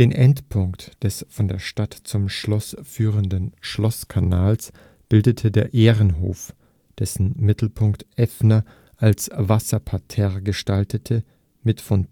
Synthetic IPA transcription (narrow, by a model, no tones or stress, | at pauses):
d̥eːnʔɛntpʰʊŋktd̥ɛsfɔndeːɐʃtatt͡sʊmʃlɔsfyːʁəndənʃlɔskʰanaːls | b̥ɪldətʰədeːɐʔeːʁənɦo̰ːf | d̥ɛsn̩mɪtl̩pʰʊŋktʔɛfnɐ | ʔalsvasɐpʰatʰɛɐɡəʃtaltʰətʰə | mɪtfɔn